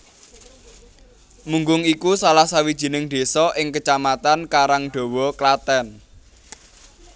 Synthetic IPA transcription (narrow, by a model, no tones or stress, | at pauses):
muŋɡʊŋikusalahsawid̥ʒ̥i̤nɪŋd̪̥e̤sɔʔɪŋkət͡ʃamat̪ankaɾaŋɖ̪̥o̤wɔklat̪ɛn